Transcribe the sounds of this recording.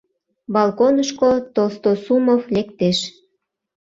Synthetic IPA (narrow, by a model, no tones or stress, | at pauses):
bɑlkonəʃkot̪olst̪osumoflekt̪eʃ